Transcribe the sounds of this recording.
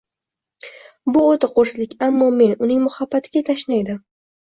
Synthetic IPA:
bʊot̪ʰɪqʰoɾslɪkʲamːɒme̞nʊnɪŋmʊhabːat̪ʰɪɡʲat̪ʰaʃnajd̪ɪ

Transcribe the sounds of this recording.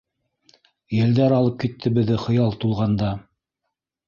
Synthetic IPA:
jæ̆ld̪æɾɑlˠɤp̚kit̪ʰːɘ̆bɘ̆ðːɘχɤ̆jɑlˠt̪ulˠʁɑnd̪ɑ

